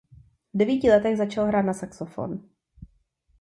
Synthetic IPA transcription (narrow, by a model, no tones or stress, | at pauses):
vdɛviːcɪlɛt̪ɛɣzat͡ʃalɦɾaːt̪nasaksofo̰n